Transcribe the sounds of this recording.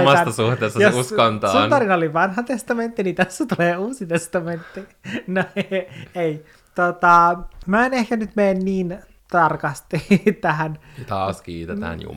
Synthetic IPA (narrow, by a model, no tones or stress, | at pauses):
mɑæsːɑsuht̪eːsːɑjosuskont̪sɑ̰unt̪ɑrinoliʋɑnhɑt̪est̪ɑment̪ːinit̪æsːæt̪uleːuːsit̪est̪ɑment̪ːinoiei | t̪ot̪ɑmæenehkænyt̪meːnniːn | t̪ɑrkɑst̪it̪æhæn | t̪ɑːskiːt̪et̪æ̰ːnjṵ